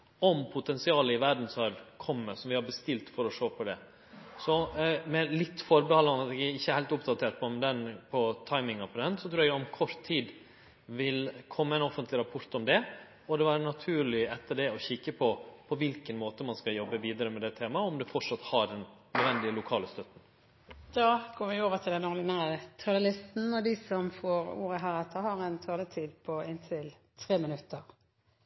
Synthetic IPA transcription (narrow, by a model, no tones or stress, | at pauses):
ɔmpʰʊt̪ʰɛnsɪɑːləɪʋæɾɖn̩sɔhɑɾkʰɔmːəsɔmʋɪhɑɾbəst̪ɪlt̪fɔɾɔʂoːpʰɔd̪ɛ | sɔmɛlɪt̪ːfɔɾbəhɑlɑnɑt̪ɛɡæɪçːəhæɪlt̪ʊp̚d̪ɑt̪ʰeːɾʈpʰɔmd̪ɛnpʰɔt̪ʰɑɪmɪŋɑpɔd̪ɛnsɔt̪ʰɾʉːɾɛɡ̪ɔmkʰɔɾt̪ʰːiːd̪ | ʋɪlkʰɔmːəɛɪnɔfənt̪lɪɾɑpʰʊɾt̪ɔmd̪ɛ | ɔd̪ɛʋæːɾənɑt̪ʰʉːɾɭɪɛt̪ːəɖɛɔçɪkːəpʰɔpʰɔʋɪlkənmoːt̪əmɑnskɑjɔbːəʋiːd̪əɾəmɛd̪ɛt̪ʰeːmɑɔmd̪ɛfɔʈʂɑt̪hɑɖɛnnœd̪ʋɛnd̪ɪəlʊkʰɑːləst̪œt̪ːn̩ | d̪̥ɑːɡoːʋɪoːʋət̪ʰɪld̪ɛnɔɾd̪ɪnæːɾət̪ʰœləlɪst̪n̩ɔd̪ɪsɔmfoːɾṵːɾəɦæːɾɛt̪ʰːəhɑʁɛnt̪ʰɔlət̪ʰiːd̪pʰɔɪnt̪ʰɪl | t̪ʰɾeːmɪnʉt̪ʰːəɾ